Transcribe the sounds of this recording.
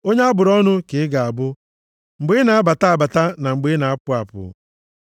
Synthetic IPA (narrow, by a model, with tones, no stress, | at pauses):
o˦ɲe˦a˦bʊ˨ɾɔ˦nʊ˦kɪ˨ɪ˦ɡa˨a˨bʊ˦ | ŋ͡m̩˨ɡ͡be˦na˨a˦ba˨ta˦a˨ba˨ta˦na˨ŋ͡m̩˨ɡ͡be˦na˨a˦pʊ˦a˨pʊ̰˨